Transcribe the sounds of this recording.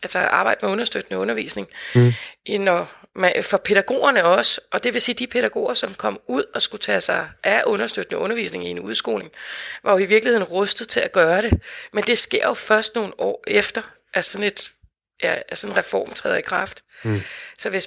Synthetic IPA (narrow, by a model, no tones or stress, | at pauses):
ælsəʔɑ̈ːb̥ɑ̈ɪ̰d̥əmeɔ̽nɐsd̥ød̥ənəɔ̽nɐʋḭːsne̝ŋ | ʔnɒ | mæfɒ̽pʰe̝ɾ̥æɡ̥o̝̰ːɐnəɒ̽səʔɒ̽d̥e̝ʋe̝siːd̥ipʰe̝ɾ̥æɡ̥o̝̰ːɐsɒ̽mkʰɒ̽m̰uð̞̰ˠɒ̽sɡ̥ut͡sʰɛsɑ̈ɪʔæʔɔ̽nɐsd̥ød̥nəʔɔ̽nɐʋḭːsne̝ŋie̝nuðˠsɡ̥o̝̰ːlne̝ŋʋʔɑ̈jo̝iʋiɐɡlihe̝ð̰ˠn̩ʁɔsd̥ð̩ˠt͡sʰe̝læɡ̥ɶːɐɾ̥e̝mend̥e̝sɡ̥e̝ɐ̰jo̝fɶɐsd̥no̝ːn̩ɒ̰ːefd̥ɐ | ʔæsɒ̽ne̝d̥ | jææsɒ̽nnʁɛfɒ̰ːmt͡sʰʁɛ̰ːðˠɐikʰʁɑ̈fd̥ | sɒ̽ʋe̝s